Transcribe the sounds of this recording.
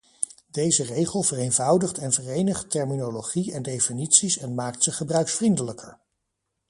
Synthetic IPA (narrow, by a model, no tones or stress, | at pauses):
d̥ejzərejχəlˠvərejnvɑwdəχtɛnvərejnəχtɛɹminoloχiɛndejfinitsisɛnmaːk̚tsəχəbrœɥksfrindələkʰəɹ